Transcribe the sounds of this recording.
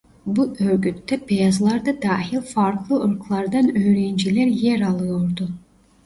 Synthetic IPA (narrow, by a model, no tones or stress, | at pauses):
buʔøɾɡʲyt̪ːɛpejɑzlˠɑɾd̪ad̪ɑːɦilʲfɑɾklˠɯʔɯɾklˠɑɾd̪ɑnøjɾejind͡ʒilʲæɾjeɾɑlˠɯjoɾd̪u